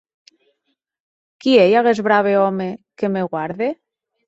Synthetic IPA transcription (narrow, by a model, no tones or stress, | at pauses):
kiejaɣezβɾaβ̞eomekemeɣwaɾðe